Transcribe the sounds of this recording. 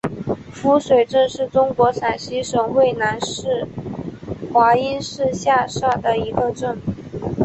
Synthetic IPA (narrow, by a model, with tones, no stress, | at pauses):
fu˧˥ʂwe˨˩ɪʈ͡ʂɤ˥˧ŋʂɻ̩˥˩ʈ͡ʂʊ˥ŋkwɔ˧˥sa˨˩nɕi˧˥ʂɤ˨˩ŋxwe˥˩ɪna˧˥nʂɻ̩˥˩ | xwa˧˥i˥nʂɻ̩˥˧ɕja˥˧ʂa˥˩d̪ə˩i˧˥ɡə˧ʈ͡ʂɤ˥˩n